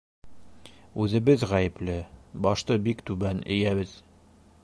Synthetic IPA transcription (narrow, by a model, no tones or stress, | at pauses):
ʉzɘ̆bɘzʁæjɘ̆plɘbɒʃt̪ɤbikt̪ʉβænɘ̰̆jæβɘð̥